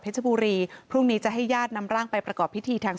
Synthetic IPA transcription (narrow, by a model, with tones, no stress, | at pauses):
pʰe˦˥t̪̚t͡ɕʰa˧buː˧ɾiː˧pʰɾu˥˩ŋniː˦˥t͡ɕa˨˩ʔɦa˥˩jːaː˥˩t̪̚na˧mɾaː˥˩ŋpa˧jpɾa˧kɔː˨˩pʰːi˦˥t̪ʰiː˧t̪ʰaː˧ŋ